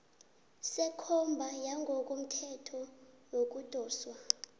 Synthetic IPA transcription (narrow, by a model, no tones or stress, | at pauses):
sɛkʰɔmbʱajaŋɡʱɔk̬ʼum̩tʰɛtʰɔ | wok̬ʼud̥ʱɔːswa